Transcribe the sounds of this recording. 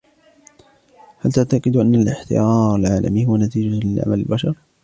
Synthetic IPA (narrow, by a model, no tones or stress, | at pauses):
halt̪aʕt̪aqɨɪd̪ʔanːalɪħt̪ɪ̰jaːɾˤalʕaːlʔa̰mihʊwanat̪iːd͡ʒalɪlʕa̰malɪlbaʃɑɾˤ